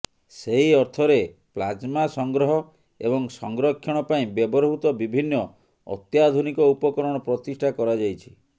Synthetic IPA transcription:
seɦiɔɾt̪ʰɔɾeplad͡ʒmasɔŋɡɾɔɦɔ | ḛbɔŋsɔŋɡɾɔkʰːjɔɽ̃ɔpaĩbjɔbɔɾɦut̪ɔbibʱinːɔ | ɔ̰t̪jad̪ʱunikɔupɔkɔɾɔɽ̃ɔpɾɔt̪isʈʰakɔɾad͡ʒajt͡ʃʰi̥

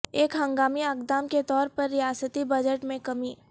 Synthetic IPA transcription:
eːkɦɐ̃ŋɡaːmiaːkd̪aːmket̪ɔːɾpɐɾːɪjaːsət̪ibɐd͡ʒəʈmẽkɐmiː

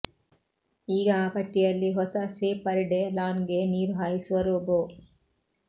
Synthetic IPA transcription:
iːɡɐaːpɐʈːijɐlːiɦɔsɐseːpɐɾiɖelaːnɡeniːɾɦaːjisuʋɐɾuboː

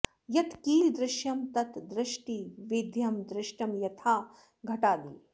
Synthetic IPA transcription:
jɐt̪kiːld̪ɾɪʃjɐmt̪ɐt̪d̪ɾɪʃʈiʋid̪ʱjɐmd̪ɾɪʃʈɐmjɐt̪ʰaː | ɡʱɐʈaːd̪i

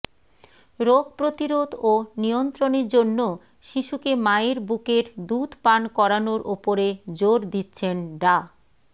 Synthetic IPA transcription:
ɾoɡ̚pɾot̪iɾod̪onijont̪ɾoneɾd͡ʑonːo | ʃiʃukemaeɾbukeɾd̪ud̪ʱpankɔɾanoɾopoɾed͡ʑoɾd̪itːɕʰenɖa

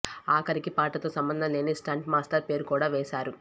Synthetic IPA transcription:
aːkɐɾikipaːʈɐt̪oːsɐmbɐnd̪ʱɐnleːnisʈaːɳʈmaːsʈɐɾpe̞ːɾukuːɽaːʋɛːsaːɾu

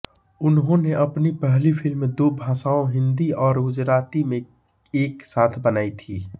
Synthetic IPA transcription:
ʊnɦõneʔɐpnipɛɦlifʰɪlmẽd̪obʱãːsaːõɦɪ̃nd̪iɔːɾɡʊd͡ʒɾaːt̪imẽ | eːksaːt̪ʰbənaːit̪ʰiː

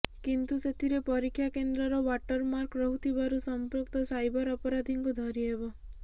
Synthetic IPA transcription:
kint̪uset̪ʰiɾepɔɾikʰːjakend̪ɾɔɾɔwaʈɔɾmaɾkɾɔɦut̪ʰiβaɾusɔmpɾɔkt̪ɔsajbɔɾɔpɔɾad̪ʱiŋkud̪ʱɔɾiebɔ

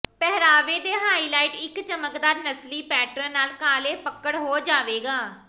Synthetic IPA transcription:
pɛɦɾaːʋeːd̪eːɦaːiːlaːiːʈɪkt͡ʃəməkd̪aːɾnəsliːpɛːʈɾə̃ːnaːlkaːleːpəkəɽɦoːd͡ʒaːʋeːɡaː

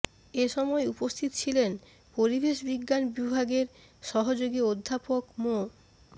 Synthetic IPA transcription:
eʃɔmɔeupost̪ʰit̪ot͡ɕʰilen | poɾibeʃbiɡːanbibʱaɡeɾ | ʃɔɦod͡ʑoɡiod̪ʱːapokmo

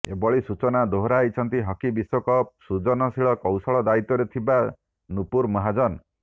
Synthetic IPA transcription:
ḛbɔɭisut͡ʃɔnad̪oɦɾait͡ʃʰɔnt̪iɦɔkibiswɔkɔsud͡ʒɔnɔsiɭɔkɔwsɔɭɔd̪ait̪ːɔɾet̪ʰiba | nupuɾmɔɦad͡ʒɔn

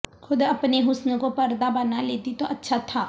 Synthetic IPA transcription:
xʊd̪ɐpneɦʊsnkopɐɾd̪abɐnaleːt̪it̪oʔɐtːʃʰat̪ʰaː

